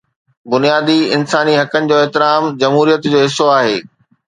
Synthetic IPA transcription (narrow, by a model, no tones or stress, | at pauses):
bʊnijaːd̪iɪnsaːniɦɐkənɪ̆d͡ʑoːɛɦt̪ɪɾaːmd͡ʑɐmɦuːɾijət̪d͡ʑoːɦɪsːoaːɦeː